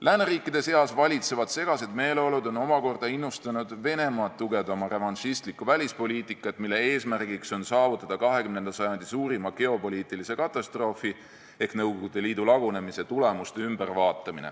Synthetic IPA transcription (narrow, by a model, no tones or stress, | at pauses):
lʔæːneriːkːˑid̪̥e̞se̞ɑsvɑlʲit̪se̞vɑd̪̥se̞ɡ̥ɑse̞d̪me̞ːleo̞lud̪o̞no̞mɑko̞rd̪̥ɑinːust̪ɑnud̪ve̞ne̞mɑːt̪ːuɡe̞vd̪̥ɑmɑrevɑnʃist̪likːˑuvælʲispo̞lʲiːt̪ˑikːˑɑt̪ːmilːe̞e̞ːsmærɡ̥ikso̞nsɑːvut̪ːˑɑd̪̥ɑkɑɦe̞kymnend̪ɑsɑjɑnd̪isuːɾimɑke̞o̞po̞lʲiːt̪ːˑilise̞kɑt̪ːˑɑst̪ro̞ːfi | e̞hknɤwɡ̥oɡud̪̥e̞liːd̪̥ulɑɡ̥une̞mise̞t̪ule̞must̪eymbervɑːt̪ːˑɑminḛ